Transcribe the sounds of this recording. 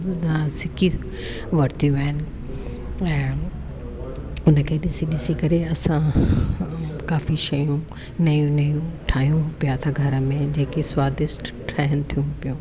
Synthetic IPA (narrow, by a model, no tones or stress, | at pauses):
d̪asɪkʰi | ʋɐɾt̪ʰijũaɦɪnɪ̆ | ɛ̃ː | ʊnəkʰeːɗɪsiɗɪsikɐɾeɐsã | kaːfiʃɐjũ | nɐjũnɐjũʈʰaːɦijũpijat̪ʰaɡʱɐɾə̆mẽd͡ʑeːkiswaːd̪ɪsʈ | ʈʰaːɦɪñt̪ʰijũpijũː